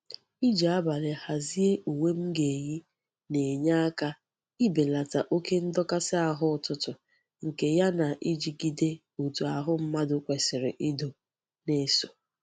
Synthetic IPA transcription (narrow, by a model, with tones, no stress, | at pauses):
i˦d͡ʒa˨a˦ba˨le˨ha˨zi˦e˦ʔu˨we˦m̩˦ɡe˨ji˦ | ne˨ɲa˦a˦ka˦ | i˦be˨la˨ta˨ʔo˦ke˦n̩˦dɔ˦ka˦sɪ˦a˨ɦʊ˦˨tʊ˦tʊ˨ | ŋ̩˨ke˨ja˦na˨ʔi˦d͡ʒi˨ɡi˦de˦ | u˨tu˨a˨ɦʊ˦m̩˦ma˦dʊ˦kʷe˨sɪ˨ɾɪ̰˨ʔi˦do˨ | ne˦so˨